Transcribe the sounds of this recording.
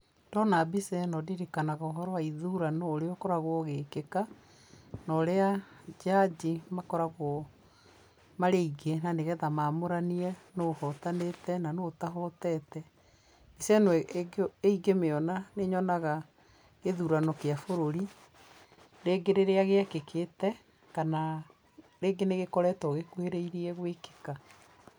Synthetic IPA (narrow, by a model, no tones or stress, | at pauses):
d̥ɔnabisɛnɔdiɾikanaɣaoɦɔɾɔaiðuɾanoːɾeɔkɔɾaɣwɔɣekeka | nɔɾead͡ʒad͡ʑimakɔɾaɣwɔ | maɾeiɡenaneɣɛðamamoɾaniɛnohɔtanetɛnanotaɦɔtɛtɛ | isɛnw | eiɡemeɔnaneɲɔnaɣa | eðuɾanɔkeafoɾoɾi | ɾeɡeɾeɾeaɣeakekʰetɛ | kana | ɾeːɡeneɣekɔɾɛtɔɣekuheɾeiɾiɛɣweke̥ka